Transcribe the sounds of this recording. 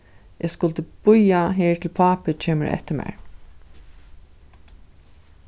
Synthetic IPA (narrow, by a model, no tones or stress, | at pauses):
ʔɛskʊlt̪əbʊjaɦeːɹt̪ʰɪlpʰaːpɪt͡ʃʰeːmə̰ɹʔɛ̰ht̪əmḛɹ